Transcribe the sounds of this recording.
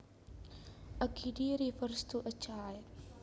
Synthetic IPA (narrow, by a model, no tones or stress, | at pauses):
ʔəkʰidiɾifəɾst̪uʔət͡ʃaj